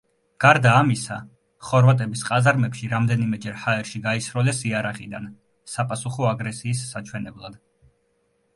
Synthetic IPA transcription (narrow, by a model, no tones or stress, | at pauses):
ɡ̥aɾd̪aːmisa̰ | χɔɾvat̪ʼɛbisqʼazaɾmɛpʃiɾamd̪ɛnimɛd͡ʒɛɾhaɛɾʃiɡaisɾɔlɛsiaɾaχid̪a̰n | sapʼasuχɔaɡɾɛsiːsːat͡ʃʰwɛnɛblˠad̪̥